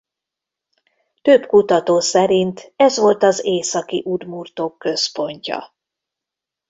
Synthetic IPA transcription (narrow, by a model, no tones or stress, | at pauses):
t̪øbkut̪ɒt̪oːsɛɾint̪ɛzʋo̞lt̪ɒzeːsɒkḭʔud̪murt̪oːkːø̞spo̞ɲcɒ̰